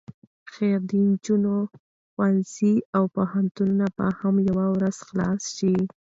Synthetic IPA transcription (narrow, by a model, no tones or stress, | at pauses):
xeɾd̪ind͡ʒuno | xwansiawpahant̪ununaba̰hamjawawɾaz̥xlɑsʃi